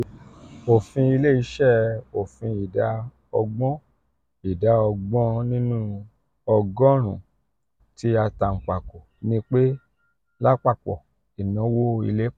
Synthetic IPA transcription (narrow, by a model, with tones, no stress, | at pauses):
o˨fĩ˧i˧le˦i˨˦ʃɛ˦˨o˨fĩ˧i˨da˨˦ | ɔ˧ɡ͡bɔ̃˦ | i˨da˨˦ɔ˧ɡ͡bɔ̃˦nĩ˦nũ˦ | ɔ˧ɡɔ̃˦ɾ̃ũ˨ | ti˨˦a˧ta˧ŋ̩˨k͡pa˨ko˨nĩ˦k͡pe˦ | la˦k͡pa˦˨k͡pɔ̰˨ | i˨nɔ̃˨˦wo˦ḭ˧le˦